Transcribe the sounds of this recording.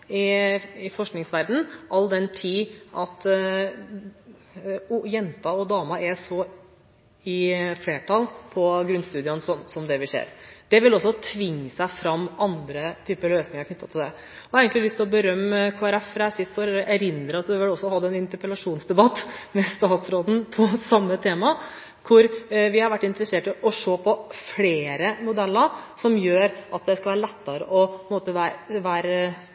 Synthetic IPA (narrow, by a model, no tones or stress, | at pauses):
ɪɪfɔʂknɪŋsʋæɾd̪n̩ʔɑlːd̪ɛnt̪ʰiːʔɑt̪ | jɛnt̪ɑɔd̪ɑːmɑɛsɔ | ɪfleːʈʰɑlpʰɔɡɾʉnːst̪ʉːd̪ɪənsɔmsɔmd̪ɛʋɪsḛːɾd̪̥ɛʋɪlɔsːɔt̪ʰʋɪŋːəsæɪfɾɑmːɑnd̪ɾət̪ʰyːpəløːsnɪŋəɾkʰnʏt̪ːɑt̪ʰɪld̪ɛ | ɑɾeːɡəŋklɪlʏst̪ʰɪlɔbəɾœmːəkʰoːæɾɛfɾɛsɪt̪fɔɾɔʔæɾɪnd̪ɾəɑt̪̚d̪ʉʋɪlɔsːɔhɑd̪ːəɛnɪnt̪əɾpəlɑʂuːnsd̪ɛbɑt̪ːmɛst̪ɑːt̪sɾoːd̪npʰɔsɑmːət̪ʰeːmɑ | kʰʊɾʋɪhɑɾʋæʈːɪnt̪əɾəseːʈɪʔɔʂoːpʰɔfleːɾəmʊd̪ɛlːəɾsɔmjøːɾʔɑt̪̚d̪ɛskɑlʋæːɾəlɛt̪ːəɾə̰ʔɔppɔɪnmoːt̪əʋæɾʋæːɾ